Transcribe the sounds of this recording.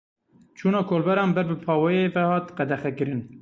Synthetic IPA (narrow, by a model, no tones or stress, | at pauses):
t͡ʃʰuːnɑːkʰoːlbɛɾɑːnbɛɾbɨpʰɑːwɛjeːvɛhɑːt̪qɛd̪ɛxɛkɨɾɨn